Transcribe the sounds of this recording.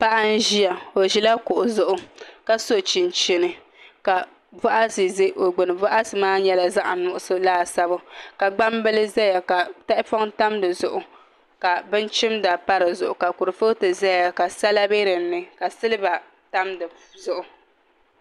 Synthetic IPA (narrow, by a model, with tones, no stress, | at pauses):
pa˦ʔa˦n̩˦ʒi˦a˨o˨ʒi˦la˦kʊ˨ʔʊ˨zʊ˨ʔʊ˨˦ka˦so˦t͡ʃi˨n˨t͡ʃe˨nɨ˨ | ka˨ | vɔ˦ʔa˦sɨ˨ze˦ʔo˨ɡ͡bɨ˨nɨ˨vɔ˦ʔa˦sɨ˨maː˦ɲɛ˦la˦za˦ʔa˨nʊ˨ʔʊ˦sɨ˦laː˦˨sa˦bʊ˦ka˨ɡ͡ba˦mbɨ˦lɨ˦za˦ja˨ka˨ta˦ʔɪ˦pɔ˦ŋta˦mdɨ˨zʊ˨ʔʊ˨ | ka˨bɨ˦nt͡ʃɪ˦mda˨pa˦ɾɨ˨zʊ˨ʔʊ˨ka˨ku˨ɾɨ˨fo˦tɨ˨za˦ja˨ka˨sa˦la˦be˦ɾɨ˨˦nɨ˦ka˨sɨ˦lɨ˦ba˨ | ta˦mdɨ˨ | zʊ˨ʔʊ˨